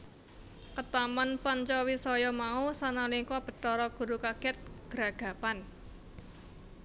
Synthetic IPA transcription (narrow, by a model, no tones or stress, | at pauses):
kət̪amanpaɲt͡ʃɔwisɔjɔmausanaliŋkɔb̥ə̤tɔɾɔɡ̥ṳɾukaɡ̥ɛt̪̚ɡ̥əɾaɡ̥a̤pan